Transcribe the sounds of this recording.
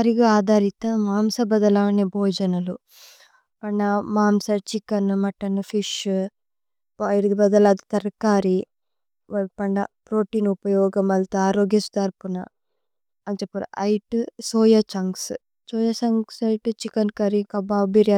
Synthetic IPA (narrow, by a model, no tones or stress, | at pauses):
ɐɾiɡɐaːd̪aːɾit̪ɐmaːmsɐbɐd̪ɐlaɐnebʱɔːd͡ʒɐnɐlu | pɐɳɖɐmaːmsɐt͡ʃikɐnmɐʈːɐnfʰiʃ | ɐjɽd̪ibɐd̪ɐlaːd̪it̪ɐɾkaːɾi | ʋɐpɐɳɖɐpɾoːʈiːnupɐjɔːɡɐmɐlt̪uaːɾoːɡjɐsu̥t̪ɐɾpunɐ̰ | ɐnt͡ʃepːɐɾ̰ɐjʈusɔːjɐt͡ʃɐŋs | sɔːjɐsɐŋsɐjʈut͡ʃikɐnkɐɾikɐbaːbiɾja